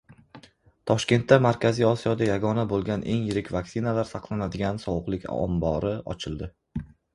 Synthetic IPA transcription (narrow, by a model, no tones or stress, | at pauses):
t̪ʰɒʃkʲe̞nt̪ʰːamaɾkʲʰazijɒsijɒd̪ajaɡɒnabolˠɡʲanʔe̞ŋjɪɾɪkʲvaksɪnalaɾsɑqlˠanad̪ɪɡʲansɒwʊqlˠɪkʲɒ̰mbɒɾɪɒ̰t͡ʃʰɪlˠd̪ɪ